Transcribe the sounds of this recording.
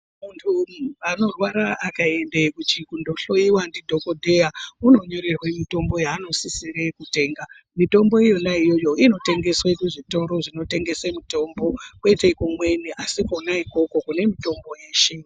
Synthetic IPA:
muntʰuʋano̞rwaɾaakae̞ndekut͡ʃikundo̞ɬo̞iwandidʱo̞ko̞dʱe̞jauno̞ɲo̞ɾe̞rwe̞mito̞mbo̞jaːno̞sisire̞kute̞ːŋɡa | mito̞mbo̞ijo̞naijo̞jo̞ʔino̞te̞ŋɡe̞swekuʐito̞ɾo̞ʐino̞te̞ŋɡe̞semito̞mbo̞kwe̞teikomwe̞niʔasikonaiko̞ko̞kune̞mito̞mbo̞jeːʃe

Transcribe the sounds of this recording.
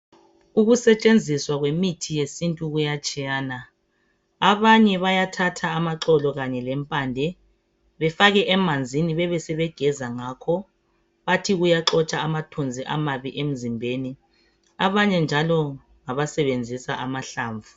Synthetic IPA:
uɣusɛt͡ʃʼend͡zʱiswaɣwemitʰijesintʼuɣujat͡ʃʼijaːna | aβaɲɛβajatʰatʰaːmaǁɔlɔɣaɲɛlɛmpʼaːndʱɛ | βɛfaɣɛʔɛmand͡zʱiniβɛβɛsɛβɛɡ̥ʱɛzaŋaːkʰɔ | βatʰiɣujaǁɔt͡ʃʼaamatʰund͡zʱiʔamaβiʔem̩zimbʱeːni | aβaɲɛnd͡ʒʱalɔ | ŋaβasɛβend͡zʱisaʔamaɬaːɱvʱu

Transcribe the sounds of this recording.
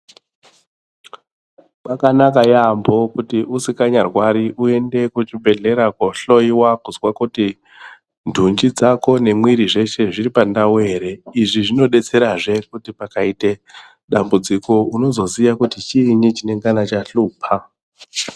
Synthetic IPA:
makanakajambo̞kutiʔusikaɲarwaɾiʔue̞nde̞kut͡ʃibʱe̞ɮe̞ɾakwoɬo̞iwakuzwakuti | ndʱund͡ʒid͡zako̞ne̞mwiɾiʐe̞ʃe̞ʐiɾipandawe̞ɾeiʐiʐino̞ɗe̞t͡se̞ɾaʐe̞kutipakaite | ɗambud͡ziko̞uno̞zo̞sijakutit͡ʃiːɲit͡ʃine̞ŋɡanat͡ʃaɬuːpʰa

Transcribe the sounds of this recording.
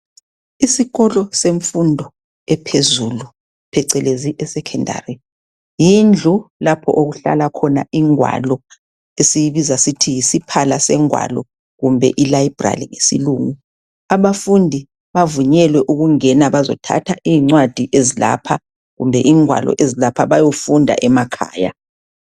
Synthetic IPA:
isiɣɔlɔseɱfundʱɔ | ɛpʰezulu | pʰɛǀɛleziʔɛsɛkʰɛndʱa̰ːri | jind͡ɮʱulapʰɔ̰ʔoɣuɬa̰lakʰɔna̰iŋwa̰lɔ | esijiβizasitʰijisipʰalasɛŋwa̰lɔ | ɣumbʱɛ̰ʔilaib̥ra̰liŋesḭluːŋu | aβafundʱi | βavuɲɛlwɛʔuɣuŋɛnaβazɔ̰tʰa̰tʰaʔiːŋ͡ǀwad̥ʱiʔezila̰pʰa | ɣumbʱɛʔiːŋwa̰lɔ̰ʔezilapʰaβajofundʱa̰ʔɛmakʰa̰ːja̰

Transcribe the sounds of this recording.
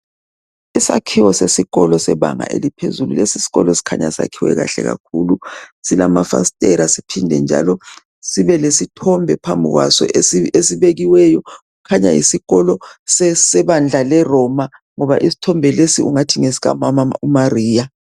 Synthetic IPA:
isa̰kʰiwɔsesiɣɔlɔsɛβa̰ŋa̰ʔḛlipʰezululesisi̥ɣɔ̰lɔsi̥kʰaɲa̰sa̰kʰiwɛ̰ɣaɬɛ̰ɣa̰kʰulusilamafa̰stʼɛɾasipʰindʱɛ̰nd͡ʒʱa̰lɔ | siβɛlesitʰɔmbʱɛpʰambʱiɣwa̰sɔ̰esiβeɣiwɛjɔ | ukʰaɲa̰jḭsiɣɔlɔsɛsɛβand͡ɮʱalɛrɔma | ŋɔβaʔisi̥tʰɔmbʱɛlesiuŋatʰiŋesiɣa̰mamaumariːja

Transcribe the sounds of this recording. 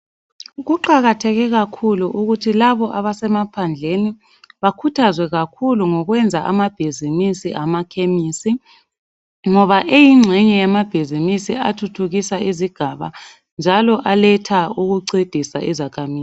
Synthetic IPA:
ɣuǃaɣatʰɛɣɛɣakʰuluʔuɣutʰilaβɔʔaβasɛmapʰand͡ɮʱeni | βakʰutʰazwɛɣakʰuluŋɔɣwɛnd͡zʱaʔa̰mab̥ʱizinisiʔamakʰemiːsi | ŋɔβaʔejiŋ͡ǁʱɛɲɛjamab̥ʱizimisiatʰutʰuɣisaiziɡ̥ʱaβa̰ | nd͡ʒʱalɔʔalɛtʰauɣuǀed̥ʱisa̰ʔizakʰamiːz

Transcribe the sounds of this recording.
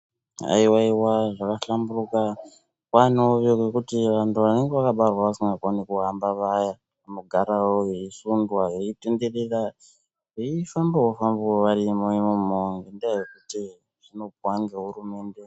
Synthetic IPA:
a̰iwaiwaʐakaɬamburuka | kwanoʋokekutiʋantʰuʋane̞ŋɡeʋakaɓarwaʋasiŋɡakonekuambaʋaja | amuɡʱaɾawojeisundwajeite̞nde̞rera | eifambawofambooʋarimojemumoŋɡendajekuti | ʐ̥ino̞bwaŋɡeɦurume̞ːnde̞

